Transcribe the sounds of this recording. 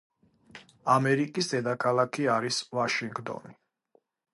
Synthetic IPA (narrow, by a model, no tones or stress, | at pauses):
amɛɾikʼis̬d̪ɛd̪akʰalˠakʰiaɾisvaʃiŋɡt̪ʼɔ̰ni